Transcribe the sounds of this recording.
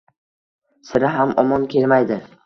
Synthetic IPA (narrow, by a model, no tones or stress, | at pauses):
sɪɾɪɦamɒmɒnkʲʰe̞lmajd̪ɪ